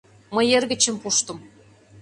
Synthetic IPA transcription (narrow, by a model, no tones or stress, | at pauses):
məjerɣə̆t͡ɕə̆mpuʃt̪ə̆m